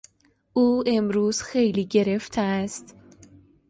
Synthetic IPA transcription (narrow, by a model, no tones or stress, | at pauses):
ʔuːe̞mɾuːz̥xejliːɟe̞ɾe̞ft̪ʰeæst̪